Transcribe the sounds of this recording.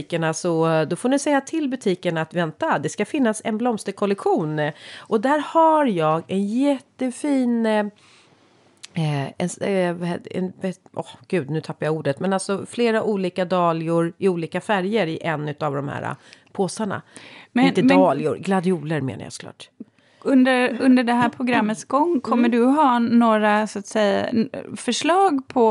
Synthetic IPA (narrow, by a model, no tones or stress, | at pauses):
ikəɳasɔd̪ɔfonɪsɛjːat̪ʰɪlbɵt̪ʰiːkəɳaːt̪vɛnt̪ad̪ɛskafɪnːasɛnblɔmst̪əɾkʰɔlɛkɧuːnʔɔd̪æːɾhaɾjɑːɡɛnjɛt̪ːəfiːn | ɛnsvɛ̰nvɛɔhɡ̥ʉ̟ːd̪nʉ̟ːt̪ʰapːajauːɖət̪mɛnalsɔfleːɾaʔuːliːkad̪ɑːlɪʊɾɪuːliːkafæɾjəɾɪʔɛnːʉ̟ːt̪avd̪ɔmhæ̰ːɾa̰pʰoːsaɳa̰mɛt̪əɑːlɪʊ̰ɾɡlad̪ɪuːləɾmḛːna̰ja̰sɔ̥kʰlɑ̰ːʈ | ɵnd̪əɾɵnd̪əɖɛɦæːɾpʰɾʊɡɾamːət̪sɡɔŋːkʰɔmːəɖɵɦɑːnoːɾasʊat̪sɛja̰fœʂlɑːɡpʰɔ